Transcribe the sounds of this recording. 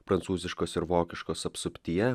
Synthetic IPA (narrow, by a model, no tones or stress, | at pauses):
pɾɐnt̪suːzʲɪʃkoːsɪɾʋoːkʲɪʃkoːsɐpsʊpʲt̪ʲijɛ